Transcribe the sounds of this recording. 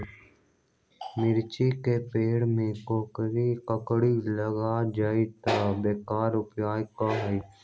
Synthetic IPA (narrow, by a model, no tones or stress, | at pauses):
mɪɾt͡ʃikepeːɽmẽkoːkɾikəkɽiləɡad͡ʒaːit̪abeːkaːɾʊpjaːjkaɦi